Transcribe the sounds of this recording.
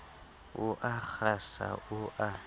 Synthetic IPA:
ʊʔak͡xasa̰ʔʊʔa

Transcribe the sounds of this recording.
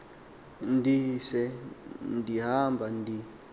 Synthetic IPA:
ndisɛndiɦambʱandi

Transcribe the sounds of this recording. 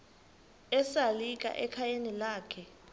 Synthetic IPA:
ɛsalik̬ʼa̰ʔɛkʰajenilaːkʰɛ

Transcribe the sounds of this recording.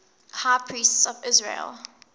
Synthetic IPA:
haɪpʰɹistsɔvɪzɹḛlˠ

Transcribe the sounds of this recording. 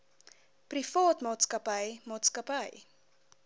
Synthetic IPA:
prifɑːtmɑːtskəpəjmɑːtskəpəj

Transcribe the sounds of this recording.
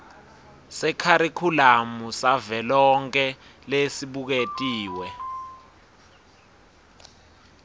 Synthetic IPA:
sɛkʰaɾikʰulamusavɛlɔŋk̬ʰʼɛlesiɓuk̬etʼiːwɛ

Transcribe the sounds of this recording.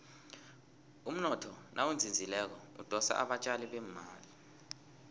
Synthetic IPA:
um̩nɔtʰɔnʔawund͡zʱind͡zʱilɛk̬ɔṵd̥ʱɔsa̰ʔa̰ɓat͡ʃʼaliɓɛmaːli

